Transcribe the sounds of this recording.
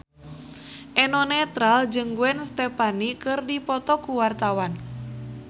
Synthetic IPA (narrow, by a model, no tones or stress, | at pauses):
ʔɛnɔnɛt̪ɾald͡ʒɨŋɡuɛnst̪ɛpanikɨrdipɔt̪ɔkuwart̪awan